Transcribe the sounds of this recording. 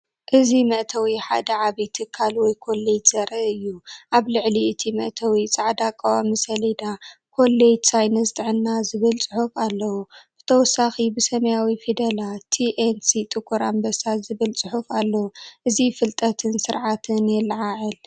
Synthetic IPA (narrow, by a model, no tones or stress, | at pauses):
ʔɨzimɐʔt̪ʰɐwiħa̰d̪ɐʕaβit̪ʰɨkʰːalwɔjkʰo̞led͡ʒz̥ɐɾɐʔɨjːuʔaβlɨʕliɨt̪ʰimɐ̰ʔt̪ʰɐwit͡sʼaʕd̪akʼːawamisɐlid̪akʰo̞lːed͡ʒsajnɐzt̪ʰʼɨʕɨnːazɨβɨlt͡sʼɨħufalːɐwub̥ɨt̪ʰɐwɔsːaxibɨsɐmɐjawifid̪ɐlat̪ʰiʔensit̪ʼɨkʰʼːuɾambɐsazɨβɨlt͡sʼɨħufalːɐwuʔɨzifɨlt̪ʼɐt̪ʰɨnsɨɾʕat̪ʰɨnjɛlːʕaʕɨl